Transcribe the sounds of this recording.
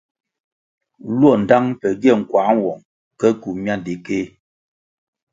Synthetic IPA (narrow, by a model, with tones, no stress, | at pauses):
lwɔ˦˨n̩˨da˦ŋpɛ˨ɡɛ˦˨ŋ̩˨kwa˨˦ŋ˦˨wɔ˨ŋ | kɛ˦ku˨mja˦n˨di˨ke˦